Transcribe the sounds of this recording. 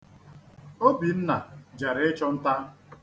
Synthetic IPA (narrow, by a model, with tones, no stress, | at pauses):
o˦bi˨n̩˦na˨d͡ʒa˨ɾɪ˦t͡ʃɔ˦n̩˦ta˦